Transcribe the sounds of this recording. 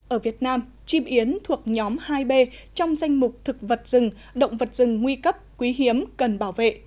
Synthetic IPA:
ʔəː˧˩vi˨˩ət̚naː˧m | t͡ɕi˧mʔi˨˦ənt̪ʰu˨˩ək̚ɲɔ˨˦mhaː˧jɓe˧t͡ɕɔ˧wŋ͡mza˧jŋ̟mʊ˨˩k͡p̚t̪ʰɨ˨˩k̚və˨˩t̚zɨ˨˩ŋ | ɗə̰˧˨wŋ͡mvə˨˩t̚z̥ɨ˨˩ŋŋwi˧kə˦˥p̚kwi˨˦ɦi˨˦əmkə˨˩nɓaː˧˩wvḛ˧˨

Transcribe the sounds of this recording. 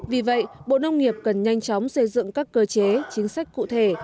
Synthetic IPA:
vi˨˩və̰˧˨jɓo̰˧˨nə˧wŋ͡mŋi˨˩əp̚kə˨˩nɲa˧jŋ̟t͡ɕɔ˨˦wŋ͡msə˧jzɨ̰˧˨ŋkaː˦˥kːəː˧t͡ɕe˨˦t͡ɕï˨˦ŋ̟sa˦˥jk̟̚kṵ˧˨t̪ʰe˧˩

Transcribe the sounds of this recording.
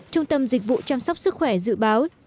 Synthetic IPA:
t͡ɕʊ˧ŋ͡mt̪ə˧mzi˨˩k̟̚vṵ˧˨t͡ɕaː˧msa˦˥wk͡p̚sɨ˦˥k̚xwɛ˧˩zɨ̰˧˨ɓaː˨˦w

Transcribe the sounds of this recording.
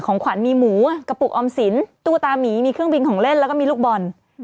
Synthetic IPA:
kʰɔː˩˦ŋkʰwa˨˩˦nmiː˧muː˩˦˧ka˧pu˨˩k̚ʔɔː˧msi˨˩˦nt̪uː˥˩t̪aː˧miː˩˦miː˧kʰɾɯ˥˩əŋbi˧nkʰɔː˨˩˦ŋle˥˩nlɛ˦˥wkɔː˥˩iː˧luː˥˩k̚bɔ˧n

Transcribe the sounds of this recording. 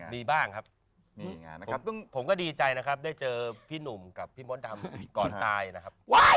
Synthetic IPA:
miː˧baː˥˩ŋkʰa˦˥p̚ː | ɔ˥˩ŋpʰo˩˦mkɔː˥˩diː˧t͡ɕa˧jna˦˥kʰa˦˥p̚daː˥˩jt͡ɕɤː˧pʰiː˥˩nu˨˩mka˨˩pʰːiː˥˩mo˦˥nt̪ʰa˧mkɔː˨˩nt̪aː˧jna˦˥kʰa˦˥p̚wa˦˥˩

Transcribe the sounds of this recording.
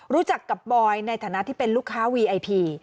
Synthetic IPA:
ɾuː˦˥t͡ɕa˨˩kːa˨˩p̚bɔː˧jna˧jt̪ʰaː˩˦na˦˥t̪ʰiː˥˩pe˧nluː˥˩kʰːaː˦˥wiː˧ʔa˧jpʰiː˧

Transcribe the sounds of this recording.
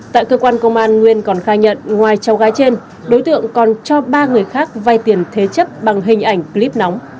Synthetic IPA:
t̪a̰ː˧˨jkəː˧kwaː˧nkə˧wŋ͡mʔaː˧nŋwi˧ənkɔ˨˩nxaː˧ɲə̰˧˨nŋwaː˨˩jt͡ɕa˨˦wɣaː˨˦jt͡ɕe˧n | ɗo˨˦jt̪ɨ̰˧˨əŋkɔ˨˩nt͡ɕɔ˧ɓaː˧ŋɨ˨˩əjxaː˦˥k̚va˧˩jt̪i˨˩ənt̪ʰe˨˦t͡ɕə˦˥p̚ɓa˨˩ŋɦï˨˩ŋ̟ʔa˧˩jŋ̟kli˦˥p̚nɔ˨˦wŋ͡m

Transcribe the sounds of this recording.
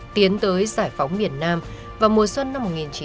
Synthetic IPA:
t̪i˨˦ənt̪əː˨˦jzaː˧˩jfa˨˦wŋ͡mmi˨˩ənːaː˧m | vaː˨˩mu˨˩əswə˧nːa˧mːo˨˩t̚ŋi˨˩nt͡ɕi˨˦

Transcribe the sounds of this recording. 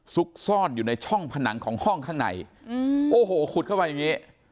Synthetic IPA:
su˦˥k̚sɔː˥˩njuː˨˩na˧jt͡ɕʰɔ˥˩ŋpʰa˧na˩˦ŋkʰɔː˩˦ŋhɔ˥˩ŋkʰa˥˩ŋna̰˩˦jʔoː˨˧˩ɦoː˨˩kʰu˨˩t̪̚kʰwpa˧ja˨˩ŋiː˦˥

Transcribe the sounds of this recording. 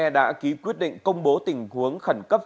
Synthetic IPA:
ɛ˧ɗa̰ː˧˥ki˨˦kwi˦˥t̚ɗḭ˧˨ŋ̟kə˧wŋ͡mɓo˨˦t̪ï˨˩ŋ̟hu˨˦əŋxə˧˩nkə˦˥p̚

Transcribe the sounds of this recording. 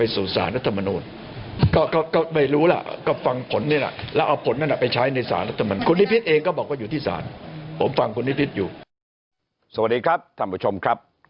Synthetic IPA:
a˧jsuː˨˩sa̰ː˩˦nɾa˦˥t̪ʰːa˧ma˧nuː˧n | kɔː˥˩kɔː˥˩kɔː˥˩ma˥˩jɾuː˦˥la̰˨˩ʔkɔː˥˩fa˧ŋpʰo˩˦nːi˥˩ɐla̰˨˩lɛ˦˥ʔa˧wpʰo˩˦nːa˥˩˨la˨˩pa˧jt͡ɕʰa˦˥jna˧jsa̰ː˩˦nɾa˦˥t̪ʰːma˧nuː˧kʰu˧nːi˦˥pʰi˦˥t̪̚ʔeː˧ŋkɔː˥˩bɔː˨˩k̚waː˥˩uː˨˩t̪ʰiː˥˩sa̰ː˩˦npʰo˨˦mfa˧ŋkʰu˧nːi˦˥˩pʰi˦˥t̪̚juː˨˩ | sa˨˩wa˨˩t̚diː˧kʰɾa˦˥p̚t̪ʰaː˧˩mpʰu˧˥˩t͡ɕʰo˧mkʰɾa˦˥p̚

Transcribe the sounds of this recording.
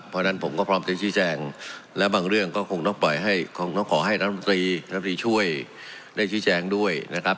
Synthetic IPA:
pʰːɔ˧˥na˥˩npʰo˩˦mkɔː˥˩pʰɾɔː˦˥mt͡ɕ̪a˧˩t͡ɕʰiː˦˥t͡ɕɛː˧ŋlɛː˦˥wbaː˧ŋɾɯ˥˩əŋkɔː˥˩kʰo˧ŋt̪ɔ˥˩ŋplɔ˨˩jɦa˥˩jkʰo˧ŋt̪ɔ˥˩ŋkʰɔː˩˦ɦa˥˩jna˦t̪ʰːm˩˧t̪ɾiː˧a˥˧˩t̪iː˧t͡ɕʰu˥˩əj | daː˥˩jt͡ɕʰiː˦˥t͡ɕɛː˧ŋdu˥˩əjna˦˥kʰa˦˥p̚

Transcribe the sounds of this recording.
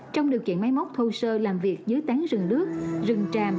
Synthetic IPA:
t͡ɕɔ˧wŋ͡mɗi˨˩əwkḭ˧ənma˨˦jmə˦˥wk͡p̚t̪ʰo˧wsəː˧laː˨˩mvi˨˩ək̚zɨː˨˦jt̪aː˨˦ŋzɨ˨˩ŋɗɨ˦˥ək̚zɨ˨˩ŋt͡ɕaː˨˩m

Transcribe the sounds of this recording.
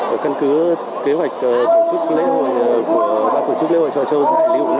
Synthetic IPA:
kə˧nkɨ˨˦ | ke˨˦ɦwa˨˩jk̟̚ʔt̪o˧˩t͡ɕɨ˦˥k̚le˨˦˥ə˨ku˧˩əɓaː˧t̪o˧˩t͡ɕɨ˦˥kle˧˦hwa̰ː˧˨jt͡ɕɔ̰˧˨˩t͡ɕə˧wza̰ː˧˩ŋli˧ə˨wna˧

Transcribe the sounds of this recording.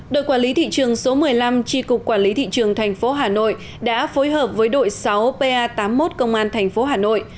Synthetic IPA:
ɗo̰˧˨jkwaː˧˩nli˨˦t̪ʰḭ˧˨t͡ɕɨ˨˩əŋso˨˦mɨ˨˩əjla˧mt͡ɕi˧kʊ˨˩k͡p̚kːwaː˧˩nli˨˦t̪ʰḭ˧˨t͡ɕɨ˨˩əŋt̪ʰɛ˨˩jŋ̟fo˨˦ɦaː˨˩no̰˧˨j | ɗa̰ː˧˥fo˨˦jɦəː˨˩p̚vəː˨˦jɗo̰˧˨jsa˨˦wpe˧ʔaː˧t̪aː˨˦mːo˦˥t̚kə˧wŋ͡mʔaː˧nt̪ʰɛ˨˩jŋ̟fo˨˦ɦaː˨˩no̰˧˨jʔ

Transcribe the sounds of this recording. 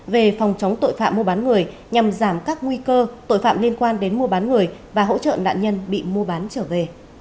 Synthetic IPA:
ve˨˩fɔ˨˩wŋ͡mt͡ɕə˨˦wŋ͡mt̪o̰˧˨jfa̰ː˧˨mːu˧ɓaː˨˦nŋɨ˨˩əj | ɲa˨˩mzaː˧˩mkaː˦˥k̚ŋwi˧kəː˧t̪o̰˧˨jfa̰ː˧˨mli˧ənkwaː˧nɗe˨˦nmu˧əɓaː˨˦nŋɨ˨˩əjvaː˨˩ɦo̰˧˥t͡ɕə̰˧˨na̰ː˧˨nɲə˧nɓḭ˧˨mu˧əɓaː˨˦nt͡ɕəː˧˩ve˨˩

